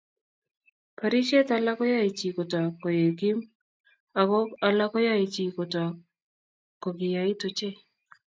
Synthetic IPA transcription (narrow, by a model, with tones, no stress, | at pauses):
pa˨ɾi˦ʃe˦t̪a˨la˦kɔ˦ja˦e˨t͡ʃi˨kɔ˨tɔ˨kɔ˨je˨ɡi˦m | a˨ɡɔ˦a˦la˦kɔ˦ja˦e˨t͡ʃi˨ko˨tɔ˨ | ko˨ɡɪ˨ja˨ɪ˦tʊ˨t͡ʃe˦˨